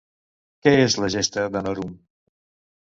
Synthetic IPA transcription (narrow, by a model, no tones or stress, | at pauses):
kɛezləʒest̪əðənɔɾum